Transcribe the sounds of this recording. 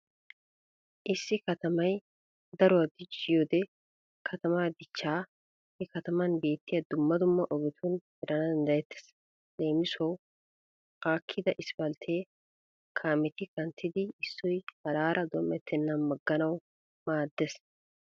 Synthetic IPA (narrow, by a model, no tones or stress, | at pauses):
ʔɪsːɪkɐt̪ɐmɐj | d̪ɐɾɔwɐd̪ɪt͡ʃːɪjoːd̪ɛ | kʰɐt̪ɐmaːd̪ɪt͡ʃːaː | hɛkɐt̪ɐmɐnbe̞ːt̪ːɪjɐd̪ʊmːɐd̪ʊmːɐʔɔɡɪt̪ʰʊnhɛɾʔɐnɐd̪ɐnd̪ɐjɛt̪ːɛ̥s | le̞ːmɪsɔw | aːkʰːɪd̪ɐʔɪsb̥ɐlt̪ʰeː | kʰaːmɛt̪ɪkɐnt̪ːɪd̪ɪɪsːɔjhɐɾaːɾʔɐd̪ɔmɛt̪ːɛnːɐnmɐɡːɐnɐw | maːd̪ːɛs